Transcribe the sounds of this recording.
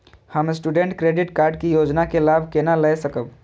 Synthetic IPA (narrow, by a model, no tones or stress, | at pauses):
həmsʈuɖeɳʈkɾeɖiʈkaɾɖkijod͡ʒnakelabʱkenaləjsəkəb